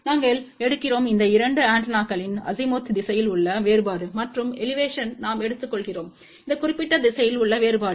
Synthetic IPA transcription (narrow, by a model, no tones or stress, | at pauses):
naːŋɡɐɭɛɽɯkːɪroːmɪnd̪ɐɪɾɐɳɖɯaːɳʈnaːkɐɭɪnɐ̰zɪmoːt̪ːd̪ɪsɐjɪlʊɭːɐʋeːɾɯbaːɽɯmɐʈrɯmɛlɪʋeːʂɐnnaːmɛɽɯt̪ːɯkːɔɭɣɪroːm | ɪnd̪ɐkʊrɪpːɪʈːɐd̪ɪsɐjɪlʊɭːɐʋeːɾɯbaːɾɯ